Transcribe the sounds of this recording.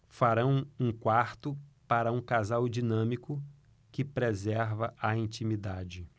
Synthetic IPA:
faɾɐ̃w̃ũkwaɾt̪ʊpaɾɐũkazawd͡ʒinɐ̃mikʊ | kɪpɾezɛɾvɐʔɐĩt͡ʃimid̪ad͡ʒɪ

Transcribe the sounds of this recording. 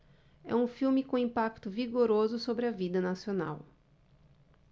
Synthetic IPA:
ɛ̰ũfiwmɪkõĩpakt̪ʊviɡoɾozʊsobɾɪɐvid̪ɐnasiona̰w

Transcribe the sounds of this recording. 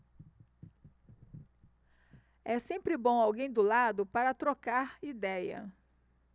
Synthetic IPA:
ɛsẽmpɾɪbõw̃awɡẽj̃d̪ʊlad̪ʊpaɾɐt̪ɾokaɾid̪ɛjɐ̰

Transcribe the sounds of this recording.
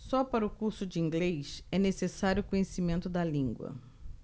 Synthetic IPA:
sɔpaɾɐʊkuɾsʊd͡ʒɪĩŋɡlejsɛnesesaɾjʊkõɲesimẽnt̪ʊd̪ɐlĩŋɡwɐ̰

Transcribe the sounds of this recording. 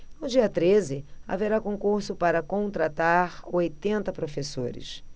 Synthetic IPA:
nʊd͡ʒiɐt̪ɾezɪa̰veɾakõkuɾsʊpaɾɐkõnt̪ɾat̪aɾojt̪ẽnt̪ɐpɾofeso̰ɾɪ̰s

